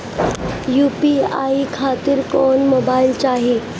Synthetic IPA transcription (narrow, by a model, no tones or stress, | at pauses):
juːpia̰ikʰaːt̪ɪɾkɔːnmoːbaːɪlt͡ɕaːɦi